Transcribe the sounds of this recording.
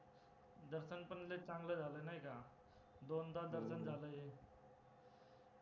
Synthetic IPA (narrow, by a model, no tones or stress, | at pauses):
d̪əɾsənpənlet͡ʃãːŋɡled͡ʒaːlənajka | d̪ond̪ad̪əɾsənd͡ʒaləe